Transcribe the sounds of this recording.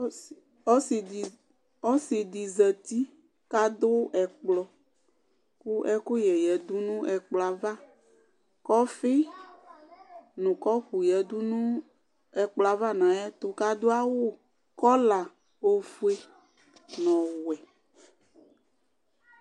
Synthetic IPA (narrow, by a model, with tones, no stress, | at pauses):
ɔ˦si˨ | ɔ˦si˨d̪i˨zɛ˨t̪i˦ | ka˦d̪o˦ɛ˨k͡plɔ˨ | ku˦ʔɛ˦ku˦jɛ˨jɛ˨d̪u˦nũ˦ɛ˨k͡plɔ˨a˨va˦ | kɔ˦fe˦ | nũ˨kɔ˦ɸu˨jɛ˨d̪u˦nũ˦ | ɛ˨k͡pla˨va˦nã˨jɛ˦t̪o˨ka˦d̪o˦a˦wo˦ | kɔ˦la˨ | o˨fu˦e˦ | nɔ̃˨wɛ˨